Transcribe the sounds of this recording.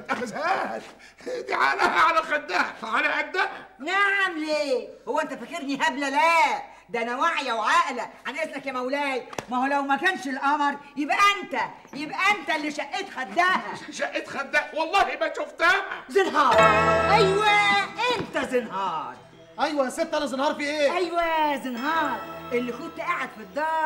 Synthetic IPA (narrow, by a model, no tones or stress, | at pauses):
ʔæxzææː | d̪iʕa̰læhæʕalælxæd̪ːæhæʕalæʔæd̪ːæhæ̰naʕamleːhowːæʔent̪æfækeɾniʔæblælæː | d̪æʔænæwaʕjæwʕaːʔlæʕanʔesnækːæmæwlæːjmæhlæwmækæːnʃelʔɑmɾˤjebʔæʔent̪æ | jebʔæʔænt̪ælːiʃæʔːet̪xæd̪ːæːhæʃæʔʔet̪xæd̪ːæwɑlˤːɑːhimæʃoft̪æːhæzɪnɦɑːɾˤʔæjwæʔent̪æzɪnhɑːɾˤ | ʔæjwæset̪ːælæzɪnhɑːɾˤfiːʔeːʔæjwæzɪnɦɑːɾˤʔelːikut̪ːʔaʕad̪fid̪ˤːɑːɾˤ